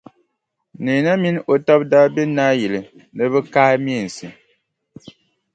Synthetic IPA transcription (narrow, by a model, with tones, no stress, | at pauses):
ne˨na˦mi˦no˨tɔ˦p̚da˦be˦na˦ji˨le˨ | nə˨bə˦kaː˦m˦e˦˨n̩˨si˨